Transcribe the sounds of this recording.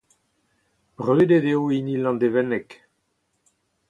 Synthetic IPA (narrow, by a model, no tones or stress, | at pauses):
b̥ʁøed̪ed̪eoinilɑ̃nd̪evɛnɛk